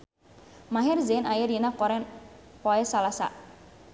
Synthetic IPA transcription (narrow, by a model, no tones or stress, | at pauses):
maɦɪrzɛnajərjinakɔɾɛnpɔɛsalasa̰